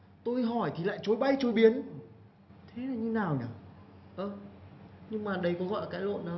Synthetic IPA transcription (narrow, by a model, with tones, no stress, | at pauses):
t̪o˧jɦɔ˧˩jt̪ʰi˨˩la̰ː˧˨jt͡ɕo˨˦jɓa˧jt͡ɕo˨˦jɓi˨˦ən | t̪ʰe˨˦na˨˩ɲɨ˧naː˨˩wɲa˨˩ | ʔəː˧˩ | ɲɨ˧ŋmaː˨˩ɗə˧˦jkɔ˨˦ɣɔ̰˧˨jə˨˧kaː˨˦jlo̰˧˨nːaː˨˩w